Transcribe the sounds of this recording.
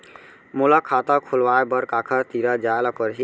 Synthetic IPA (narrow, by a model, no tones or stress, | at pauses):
muləkʰːat̪əkʰulʋaebəɾkakʰəɾt̪iɾəd͡ʒaeləpəɾɦi